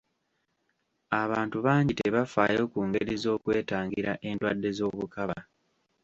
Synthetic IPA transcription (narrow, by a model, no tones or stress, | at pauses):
aβaːntuβaːɲɟiteβafaːjo̞ːkuːŋɡe̞ɾizo̞ːkwe̞ːtaːŋɡiɾaʔe̞ndwaːdːe̞zo̞ːβukaβa